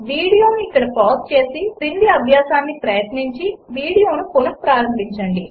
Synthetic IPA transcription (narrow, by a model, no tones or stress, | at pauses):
ʋiːɽijo̞ːnuikːɐɽɐpɔːst͡ʃe̞ːsipind̪iɐbʱjaːsaːnːipɾɐjɐt̪niɲt͡ʃiʋiːɽijoːnupolɐk̚pɾaːɾɐmbʱiɲt͡ʃɐɳɖi